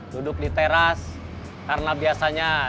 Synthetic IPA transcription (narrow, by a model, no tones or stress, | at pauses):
dudʊk̚dit̪eɾas | karnabiasaɲa